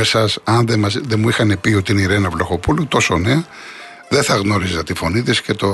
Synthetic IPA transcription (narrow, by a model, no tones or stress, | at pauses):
esɐsɐnðemɐðemuixɐne̞pio̞t̪iiniɾenɐvlo̞xo̞pulut̪o̞so̞neɐ | ðeθɐɣno̞ɾizɐt̪ifo̞nit̪isce̞t̪o